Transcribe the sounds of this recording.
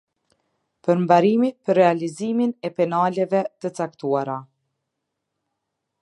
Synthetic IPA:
pəɾmbaɾimipərːɛaliziminɛpɛnalɛvɛt̪ət͡sakt̪uaɾa

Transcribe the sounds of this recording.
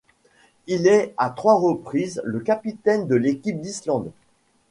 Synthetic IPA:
ilɛat̪χwaʁəpχizləkapit̪ɛnd̪əlekʲip̚d̪islɑ̃d̪

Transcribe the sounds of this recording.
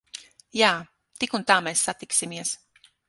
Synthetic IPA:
jaː | t̪ikunt̪aːmeːsːat̪iksimiɛs

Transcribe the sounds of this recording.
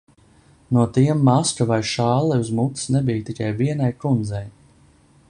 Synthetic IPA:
nuɔt̪iɛmːaskavajʃaːlˠɛuzmut̪ɨ̥snɛbijt̪ikajviɛnajkɾund̪zɛj

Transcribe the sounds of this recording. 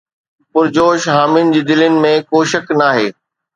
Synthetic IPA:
pʊɾd͡ʑoːʃɦaːmɪnɪ̆d͡ʑiːd̪ɪlɪnɪ̆mẽkoːʃɐkʰnaːɦeː

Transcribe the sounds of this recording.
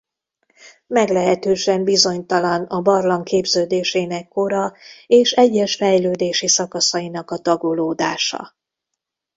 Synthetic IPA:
mɛɡlɛɦɛt̪øːʃɛmbizo̞ɲt̪ɒlɒnɒbɒrlɒŋkeːbzøːd̪eːʃeːnɛkːo̞ɾɒeːʃɛɟːɛʃfɛjløːd̪eːʃisɒkɒsɒinɒkɒt̪ɒɡoloːd̪aːʃɒ̰

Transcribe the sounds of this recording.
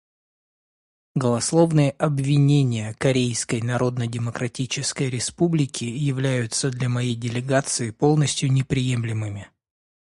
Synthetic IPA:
ɡəlˠɐslˠo̞vnɨjəʔɐbvʲɪnʲenʲɪjəkɐɾʲejskəjnɐɾo̞d̪nədʲɪməkɾɐtʲit͡ɕɪskəjɾʲɪspublʲɪkʲɪjɪvlʲæjʊt̪səd̪lʲamɐjejdʲɪlʲɪɡat̪sɨɪpo̞lˠnəsʲtʲjʊnʲɪpɾʲɪje̞mlʲɪmɨmʲɪ

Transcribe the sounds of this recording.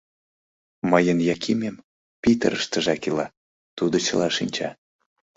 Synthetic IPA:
məjənjɑkʰimʲem | pit̪ə̰ɾəʃt̪əʒɑkilɑ | t̪ud̪ot͡ɕə̰lɑʃinʲt͡ɕɑ

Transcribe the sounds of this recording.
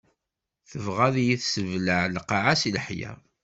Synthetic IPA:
θəvʁæðjiθsəvləʕlqɑʕasilħjæ̰

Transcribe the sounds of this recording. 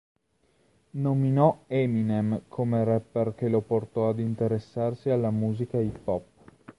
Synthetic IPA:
nominɔɛminemkʰomeɾɛpːerk̟eloport̪ɔad̪int̪eɾesːarsialːamuːzikaipɔpː

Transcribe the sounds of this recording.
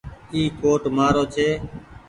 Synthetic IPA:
iːkoːʈmaːɾoːt͡ʃʰeː

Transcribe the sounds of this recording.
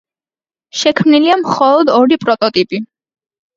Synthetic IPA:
ʃɛkʰmniliamχɔlˠɔd̪ɔɾipʼɾɔt̪ʼɔt̪ʼipʼi

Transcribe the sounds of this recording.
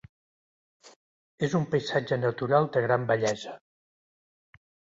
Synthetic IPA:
ezumpəjsad͡ʒənət̪uɾalˠd̪əɣɾambəʎɛzə

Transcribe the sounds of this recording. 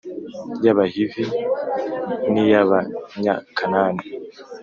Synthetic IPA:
jaβahivi | nijaβaɲa̰kʰanaːni

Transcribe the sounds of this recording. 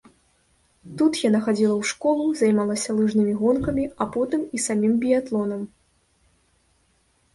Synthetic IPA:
t̪ut̪janaxad͡zʲilˠɐwʂkɔlˠuzajmalˠɐsʲɐlˠɨʐnɨmʲiɣɔnkɐmʲiapɔt̪ɨmisamʲimbʲijat̪lˠɔnɐm

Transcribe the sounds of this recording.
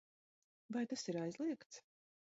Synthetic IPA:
vajt̪asiɾajzlˠiɛkt̪s

